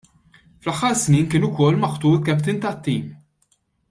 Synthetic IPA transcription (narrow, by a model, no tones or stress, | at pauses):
flɐħːɐɾsniːnkɪːnʊkɔlːmɐħt̪uːɾkɛpt̪ɪnt̪ɐt̪ːiːm